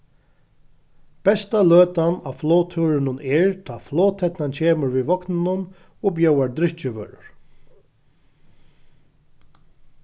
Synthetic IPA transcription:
b̥ɛst̪aløːt̪anawflɔːt̪ʰuːɾɪnʊnʔɛɹt̪ʰaːflɔːt̪ʰɛt̪nant͡ɕʰeːmʏɾviʋɔknɪnʊn | ɔbjœwaɹd̪ɾɪht͡ʃɪʋø̰ːɾʊ̰ɹ̥

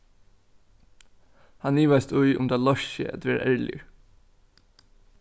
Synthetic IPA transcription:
hanːiːʋaɪst̪ʊjʔʊ̰mt̪ʰaːlɔʃə̰æ̰t̪ʋɛːɾa̰ʔɛɹlɪ̰əɹ

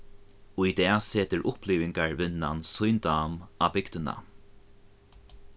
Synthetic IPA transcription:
ujd̪ɛːseːt̪əɹʔʊpliːvɪŋkaɹvɪnːansujnd̪aːmabɪkt̪ɪna̰

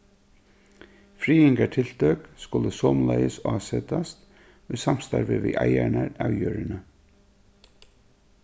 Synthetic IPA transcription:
fɾiːɪŋkaʈʰɪlt̪œkskʊləsɔːmlajəsɑːsɛt̪ast̪ | ʊjsam̥st̪aɾʋɪʋiʔajaɳaɾaːwjøːɾɪnə

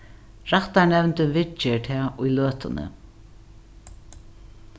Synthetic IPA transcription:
ɹaht̪aɹnɛvnt̪ɪvɪt͡ʃːɪɹt̪ʰɛːʊjløːt̪ʊnə̰

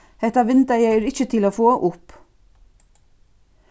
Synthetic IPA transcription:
hɛt̪ɑʋɪnt̪əjæɪæɾɪçət̪ʰɪloːfoːʔʊp

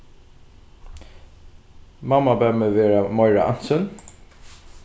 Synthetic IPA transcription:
mamabɛməveːɹamɔʏɹaʔa̰n̥sʏn

